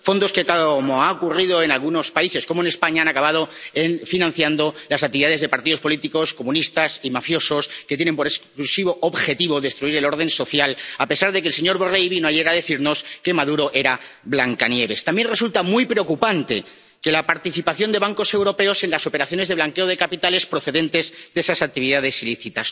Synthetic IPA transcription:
fo̞nd̪o̞skekaomoaokurið̞o̞e̞nalɣ̞uno̞spaise̞sko̞mone̞spaɲaanakaβað̞o̞enfinãnθjand̪o̞lasak̚t̪iβiðaðe̞zðe̞paɾt̪iðo̞spo̞lit̪iko̞sko̞mũnist̪asimafjo̞so̞sket̪jene̞mpo̞ɾe̞sklusiβ̞o̞ʔoβxe̞t̪iβo̞ðe̞st̪ɾuiɾe̞lo̞ɾð̞ẽ̞nso̞θjalape̞saɾðe̞kelse̞ɲo̞ɾβo̞rejβinoaʎeɣaðe̞θiɾno̞ske̞maðuɾo̞ʔe̞ɾa | blaŋkanje̞β̞e̞st̪ambje̞nre̞sult̪amujpɾe̞o̞kupant̪e̞ | ke̞lapaɾt̪iθipaθjo̞nd̪e̞βaŋko̞se̞wɾo̞pe̞o̞se̞nlaso̞pe̞ɾaθjo̞ne̞zðeβlaŋke̞o̞ð̞e̞kapit̪ale̞spɾo̞θe̞ðe̞nt̪e̞zd̪e̞sasak̚t̪iβiðaðe̞siliθit̪as

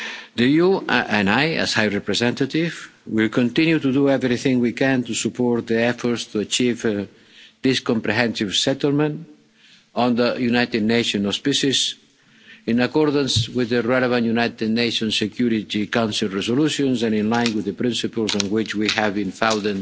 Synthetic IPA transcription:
d̪əjuɛ̃naja̰z̥hajɹɛpɾɛzɛ̃nt̪at̪ivwilkɔ̃nt̪ĩnjut̪ud̪uɛvɾiθɪ̃ŋwikɛ̃nt̪usupɔɾt̪̚ðiɛfɔɾst̪uat͡ʃiv | d̪iskɔ̃mpɾɛɦɛ̃nsiv̥sɛt̪əlˠmə̃nt | ɔ̃nd̪əjunajt̪ɪd̪neʃɔ̃nɔspisiz | ĩnakɔɾd̪ə̃nswɪðəɹɛləvãntjunajt̪ɨd̪nejʃɔ̃nsekjuɾit̪ikãw̃nsilˠɹɛzoluʃõnzãnĩnlãj̃nwɪðəpɾĩnsipəlˠzɔ̃nwɪt͡ʃwihævbĩnfãw̃nd̪̃n

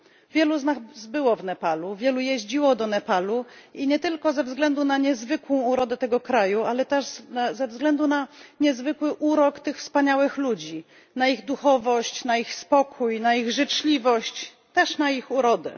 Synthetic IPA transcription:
vʲjɛluznaɣzbɘwɔvnɛpaluvʲjɛlujɛʑd͡ʑiwɔd̪ɔnɛpaluiɲɛt̪ɘlkɔzɛvzɡlɛnd̪unaɲɛzvɘkwɔ̃w̃uɾɔd̪ɛt̪ɛɡɔkɾajualɛt̪ɛʐnazɛvzɡlɛnd̪unaɲɛzvɘkwɘʔuɾɔkt̪ɘxfspaɲawɘxlud͡ʑi | naiɣd̪uxɔvɔɕt͡ɕnaixspɔkʰujnaiɣʐɘt͡ʂlʲivɔɕt͡ɕ | t̪ɛʂnaixuɾɔd̪ɛ̰

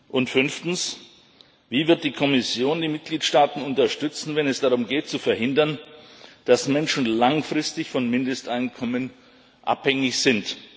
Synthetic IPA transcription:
ʔʊntfʏnftn̩s | viːvɪɐt̚d̥iːkʰɔmɪsjoːndiːmɪt̚ɡ̥liːtʃtaːtn̩ʊntɐʃtʏt͡sn̩vɛnɛsd̥aʁ̞ʊmɡeːtt͡sufɛɐɦɪndɐnd̥asmɛnʃn̩laŋfʁ̥ɪstɪçfɔnmɪndəstʔaɪnkʰɔmən | ʔa̰phɛŋɪçz̥ɪnt

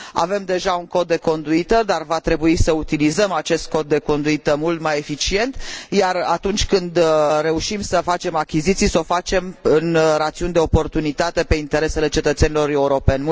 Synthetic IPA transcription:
a̰ve̞md̪e̞ʒauŋko̞t̪̚d̪ːe̞ko̞nd̪uit̪əd̪arvat̪ɾe̞buisəut̪ilizəmat͡ʃe̞st̪̚ko̞t̪̚ːe̞ko̞nd̪uit̪əmult̪maje̞fit͡ʃie̞nt̪jarat̪unt͡ʃʲkɨnd̪ɾe̞uʃimsəfat͡ʃe̞makʲizit̪sijso̞fat͡ʃe̞mɨnɾat̪siund̪e̞o̞po̞rt̪unit̪at̪e̞pe̞int̪e̞ɾe̞se̞le̞t͡ʃe̞t̪ət̪se̞nilo̞ɾe̞uɾo̞pe̞nʲm

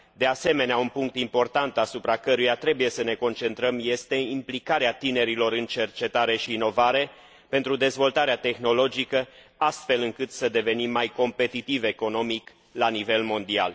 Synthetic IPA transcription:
d̪e̞ase̞me̞neaunpuŋk̚t̪impo̞rt̪ant̪asupɾakəɾujat̪ɾe̞buje̞səne̞ko̞nt͡ʃe̞nt̪ɾəmje̞st̪e̞implikaɾeat̪ine̞ɾilo̞ɾɨnt͡ʃe̞rt͡ʃe̞t̪aɾe̞ʃiːno̞vaɾe̞ | pe̞nt̪ɾud̪e̞zvo̞lt̪aɾeat̪e̞xno̞lo̞d͡ʒikə | ast̪fe̞lɨŋkɨt̪səd̪e̞ve̞nimːajko̞mpe̞t̪it̪ive̞ko̞no̞mik | lanive̞lmo̞nd̪ia̰l

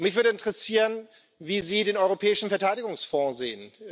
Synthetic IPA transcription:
mɪçv̥ʏɐɾdəɪntʁɛsiːʁən | viːziːdeːnɔʏʁ̞opʰɛːɪʃn̩fɛɐtʰaɪɾɪɡʊŋsfɔ̃zeːən

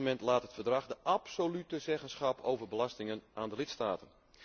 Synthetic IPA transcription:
mɛntlaːtɦətfərdrɑχdəʔapsolytəzɛɣənsχɑpʰowvərbəlɑstɪŋənʔaːndəlɪtstaːtən

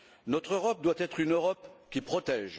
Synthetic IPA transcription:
nɔt̪χøʁɔp̚d̪wat̪ɛt̪χynøʁɔpkʲipχɔt̪ɛːʒ

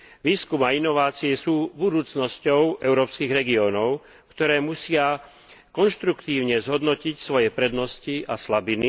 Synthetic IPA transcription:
ʋiːskumainɔʋaːt͡siɛsuːbud̪uːt͡snɔscɔʊʔɛʊɾɔːpskiɣɾɛɡiɔːnɔʊ | kt̪ɔɾɛːmusɪa | kɔnʃt̪ɾukt̪iːʊɲɛzɦɔd̪nɔcicsʋɔjɛpɾɛd̪nɔsciaslabini

